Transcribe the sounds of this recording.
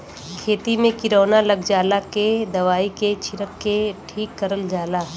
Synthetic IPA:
kʰeːt̪imẽkɪɾoːnalɐɡd͡ʒaːlaked̪ɐʋaːiket͡ʃʰɪɾəkːeʈʰiːkːɐɾəld͡ʒaːlaɦ

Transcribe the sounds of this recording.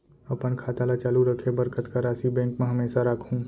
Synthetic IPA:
əpənkʰaːt̪alat͡ʃaːluɾəkʰebəɾkət̪kaɾaːsibɛ̃ːŋkmẽɦəmeːsaɾaːkʰɦũ

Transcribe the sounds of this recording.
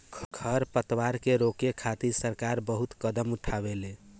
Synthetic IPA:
ɡʰʱəɾpət̪waɾkeɾokekʰat̪isəɾkaɾbəɦut̪kəd̪əmuʈʰaβele

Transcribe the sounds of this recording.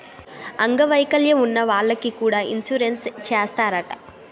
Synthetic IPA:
ɐŋɡɐʋɐjkɐljɐmunːɐʋaːɭːɐkikuːɽaːʔinsuɾenst͡ʃeːst̪aːɾɐʈɐ̥

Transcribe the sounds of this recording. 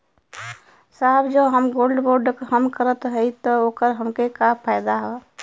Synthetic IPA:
saːbd͡ʒoɦəmɡoːlɖboːɾɖkɦəmkəɾət̪ɦɛit̪ɔoːkəɾɦəmkekapʰaːɪd̪aɦɛ

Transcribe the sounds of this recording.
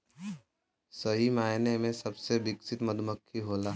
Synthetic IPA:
sɐɦimaːɦnemẽsɐbsebɪksɪt̪məd̪ʱməkʰːiɦoːlaː

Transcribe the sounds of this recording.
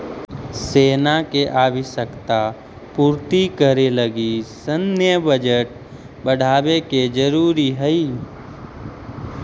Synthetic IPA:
seːnakeʔaːʋiʃəkt̪a | puːɾt̪ikəɾeləɡisənjəbəd͡ʒəʈ̚ | bəɽ̤ʱaːbeked͡ʒəɾuːɾiɦəi

